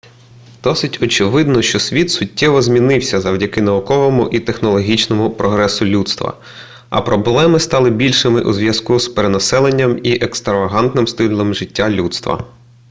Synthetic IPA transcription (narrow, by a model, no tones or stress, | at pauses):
d̪̥ɔsɪtʲɔt͡ʃɪʋɪd̪nɔʃt͡ʃɔsʲʋʲit̪sʊtʲːɛʋɔzʲmʲinɪwsʲɐzɐwdʲɐkɪnɐʊkɔʋɔmʊʔit̪exnɔlˠɔɦʲit͡ʃnɔmʊpɾɔɦɾɛsʊlʲut̪st̪ʋɐ̰ | ɐ̰pɾɔblˠɛmɪst̪ɑlˠɪbʲilʲʃɪmɪʔuzʋjɐz̥kuspeɾenɐsɛlˠenʲːɐmiʔekst̪ɾɐʋɐɦɑnt̪nɪmst̪ɪlˠɔmʒɪtʲːalʲut̪st̪ʋɐ̰